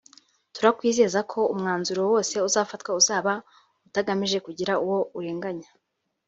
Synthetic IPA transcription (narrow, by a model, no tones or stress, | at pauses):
tuɾakwiːze̞ːzakʰo̞umŋaːnzuɾowo̞ːse̞uzaːfatwauzaːβa | utaɡamiʒe̞kuɟiɾauwo̞uɾe̞ːŋɡaɲa